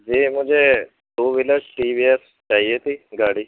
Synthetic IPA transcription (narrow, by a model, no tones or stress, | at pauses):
d͡ʒem̤ə̃d͡ʒe | d̪oʋiləsʈiːʋies | t͡ʃaɦiet̪iːɡaɽiː